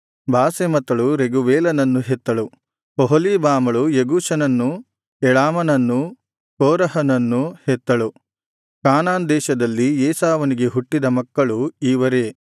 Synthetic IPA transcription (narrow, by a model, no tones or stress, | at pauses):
bʱaːsemɐt̪ːɐɭuɾeɡuʋeːlɐnɐnːuɦet̪ːɐɭu | poɦoliːbaːmɐɭujeɡuːʃɐnɐnːu | ɛɭaːmɐnɐnːu | koːɾɐɦɐnɐnːuhɛt̪ːɐɭu | kaːnaːnd̪ɛːʃɐd̪ɐlːieːsaːʋɐniɡe̞ɦuʈːid̪ɐmɐkːɐɭuiːʋɐɾe̞ː